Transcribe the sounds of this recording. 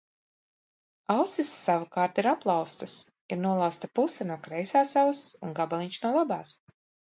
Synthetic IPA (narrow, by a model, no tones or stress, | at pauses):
awt̪sisːavukaːɾt̪iɾaplˠɑwst̪ɨs | iɾnuɔlˠawst̪apusɛnuɔkɾɛjsaːsavasuŋɡabalˠiɲʲt͡ʃnulˠabaːs